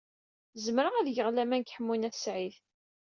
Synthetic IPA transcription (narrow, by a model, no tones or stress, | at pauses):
zəmɾəʁæðjəʁlæmænkħəmːunæθsʕiθ